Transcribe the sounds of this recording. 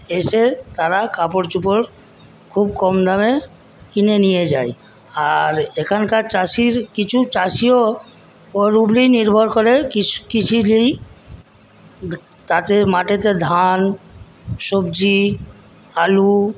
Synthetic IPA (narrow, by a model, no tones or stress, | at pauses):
eʃet̪aɾakʰapoɾt͡ʃup̬oɾ | kʰubkɔmd̪ʱame | kinenijed͡ʑaj | aɾekʰankaɾt͡ɕaʃiɾkit͡ɕʰut͡ɕaʃio | kɔɾubliniɾbʱoɾkɔɾekikit͡ʃʰilij | t̪at̪emaʈet̪ed̪ʱan | ʃobd͡ʑi | alu